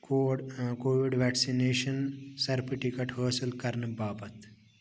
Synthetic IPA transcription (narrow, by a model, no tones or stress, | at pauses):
kokoːʋiɖʋɛːksineːʃɐnsɐɾpʰiʈikɐʈɦəːsɐlkɐɾnɨbaːbɐt̪